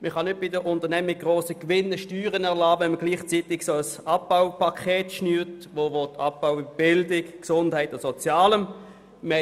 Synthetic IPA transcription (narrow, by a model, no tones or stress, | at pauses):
məχɑnʏt̚b̥ɪdəʔʊntəʁnɛmɪɡ̥ʁoːsəkʋɪnːəʃtyːʁənɛʁlaːɛməɡ̥liːχt͡sitɪɡsoəsɑp̚baʊpʰakʰeːtʃnyːtʋoʋotɑp̚b̥aʊb̥ɪldɪkksʊnd̥hɛɪtʊsɔt͡sjɑːləm | mə